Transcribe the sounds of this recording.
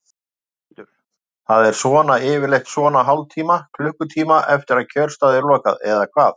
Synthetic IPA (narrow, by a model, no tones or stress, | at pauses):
θaðɛɾ̥svɔːnaɪːvɪɾlejht̪svɔːnaɦawlt̪ʰiːmakʰlʏhkʏt̪ʰiːmaʔɛft̪ɪɾaðcʰœɾ̥st̪aːðɪɾlɔːka̰ðɛ̰ðakʰvaːθ